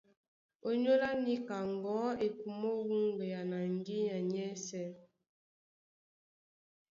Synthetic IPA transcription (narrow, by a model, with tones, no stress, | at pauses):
o˦ɲo˦la˦ni˦ka˨ŋ˨ɡɔ˨˦e˨ku˨mo˦wu˦ŋɡe˨ja˨na˨ŋ˦ɡi˦ɲa˨ɲɛ˦sɛ˦˨